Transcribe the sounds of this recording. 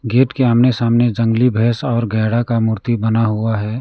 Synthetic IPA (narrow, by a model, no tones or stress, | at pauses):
ɡeːʈkeaːmnesaːmned͡ʒə̃ŋɡlibʱɛːsɔːɾɡʱɛːɽakamʊɾt̪ibənaɦuaɦɛː